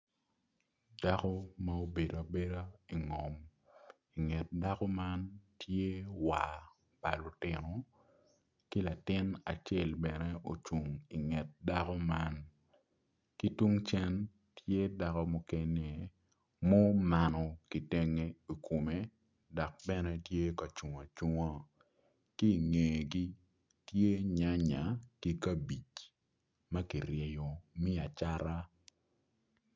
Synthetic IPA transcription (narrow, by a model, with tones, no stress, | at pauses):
da˦kɔ˦ma˦o˦be˨do˨a˨be˦ɾa˦i˨ŋɔ˨m | i˨ŋɛ˨t̚da˦kɔ˦ma˦ntʰje˦wa˨ | pa˨lʊ˨tɪ˨nɔ˨ | ki˦la˨tɪ˦na̰˨t͡ʃe˦˨lbɛ˨ne˦ʔo˨t͡ʃu˨ŋi˨ŋɛ˨t̚da˦kɔ˦ma˦n | ki˦tu˦ŋt͡ʃɛ˦n | tje˦da˦kɔ˦mɔ˨ke˦ne˨ | mo˦ma˨nɔ˨ki˨te˦ŋe˦i˨ko˨me˦ | dɔ˨k̚bɛ˦nɛ˦tje˦ka˨t͡ʃu˨ŋa˨t͡ʃu˦ŋa˦ | ki˦˨ŋeː˨ɡi˦ | tje˦ɲa˦ɲa˨ki˦ka˦bi˨t͡ʃ | ma˦ki˨ɾjɛ˨jo˨mi˦a˨t͡ʃa˦ɾa˦